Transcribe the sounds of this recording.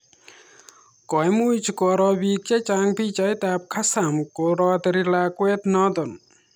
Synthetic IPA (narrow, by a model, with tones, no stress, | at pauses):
kɔ˨jmu˦jt͡ʃʰikɔ˧ɾɔ˧bi˧kt͡ʃe˦t͡ʃa˧ŋpi˦t͡ʃa˧˦jt̪a˧p̚kʰa˦sa˨mkoɾɔ˧d̪əɾila˧kwe˦t̪nɔ˦d̪ɔ˨n